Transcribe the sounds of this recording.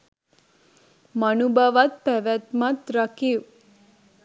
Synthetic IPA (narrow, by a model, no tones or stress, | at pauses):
mənubʱaʋat̪̚pæʋæt̪mat̪ɾɐkiw